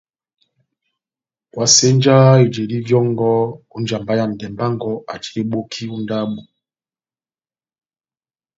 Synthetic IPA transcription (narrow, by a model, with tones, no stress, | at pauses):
wa˨se˦nd͡ʒa˦i˨d͡ʒe˨li˦vjɔ˦ŋɡɔ˦u˦nd͡ʒa˨mba˦ja˨n̩˨dɛ˨mba˦ŋɡɔ˦a̰˨t͡ʃi̥˨ɾe˦ɓo˦kʰi˦u˦nda˦ɓu˨